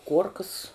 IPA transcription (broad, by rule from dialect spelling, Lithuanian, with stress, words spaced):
ˈkuɔrkɐs